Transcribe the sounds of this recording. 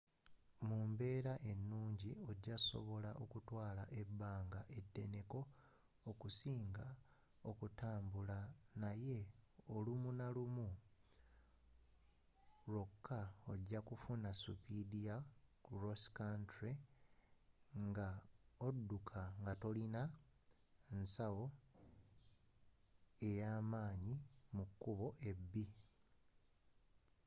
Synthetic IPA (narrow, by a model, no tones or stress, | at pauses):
muːmbe̞ːɾaʔe̞nːuːɲɟio̞ɟːaso̞̰βo̞laʔo̞kutwaːlaʔe̞baːŋɡaʔe̞dːe̞ne̞ko̞ː | kusiːŋɡa | o̞kutaːmbulanaje̞olumunalumu | ɾo̞kʰːaoɟːakufunasṵpidiakuroskantɾe | ŋɡaodːukʰaŋɡato̞lina | ensawo̞ | e̞jaːmaːɲimukːuβo̞ʔe̞bːi